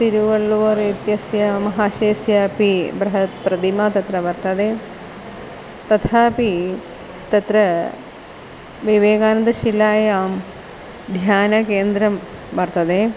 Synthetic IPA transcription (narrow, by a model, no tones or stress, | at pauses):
t̪iɾuʋɐɭːuʋɐɾit̪jɐsjɐmɐɦaːʃeːsjapibɾɐɦɐt̪pɾɐd̪imaːt̪ɐt̪ɾɐʋɐɾt̪ɐd̪eː | t̪ɐt̪ʰaːpi | t̪ɐt̪ɾɐ | ʋiʋeːɡaːnɐnd̪ɐʃilaːjaːm | d̪ʱjaːnɐkeːnd̪ɾɐm | ʋɐɾt̪ɐd̪eː